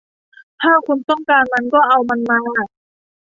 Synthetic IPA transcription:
t̪ʰaː˥˩kʰu˧nt̪ɔ˥˩ŋkaː˧nma˧nkɔː˥˩ʔa˧wma˧nmaː˧a˧˩

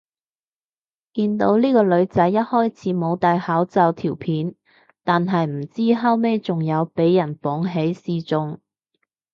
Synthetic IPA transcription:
kiː˧nt̪o˨˥wliː˥kɔː˧lɵ˨˧ɥt͡sɐ˨˥jːɐ˥t̚hɔː˥jt͡sʰiː˨˥mo˨˧wt̪aː˨jhaː˨˥wt͡sɐ˨˧wt̪ʰiː˨˩wpʰiː˨˥n | t̪aː˨nɦɐ˨jm̩˨˩t͡siː˥ɦɐ˥wme˥jt͡sʊ˨ŋjɐ˨˧wpe˨˥jːɐ˨˩nfɔː˨˥ŋɦe˨˥jsiː˧t͡sʊ˧ŋ

